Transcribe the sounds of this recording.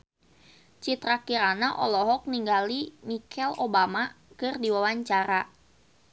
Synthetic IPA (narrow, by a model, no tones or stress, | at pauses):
t͡ʃit̪ɾakiɾanaʔɔ̰lɔɦɔk̚niŋɡalimikʰɛlobamakɨrdiwawaɲt͡ʃaɾa